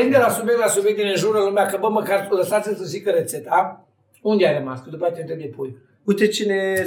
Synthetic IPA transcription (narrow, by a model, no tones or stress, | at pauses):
ind̪elasubʲjekt̪lasubjek̚d̪enenʒuɾuɾalumeakəbəməkarləsat̪sʲɨnsozikəɾet̪set̪a | und̪eajɾəma̰skəd̪upəat̪ent̪ed̪epoj | ujt̪et͡ʃine